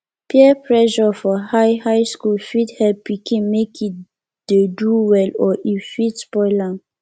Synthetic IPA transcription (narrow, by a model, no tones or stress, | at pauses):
pʰiɛpʰɹɛʒɔfɔhajhajskulfithɛlpikʰĩnmekʰit̚ | d̥eduwɛlɔifitspɔɪlãn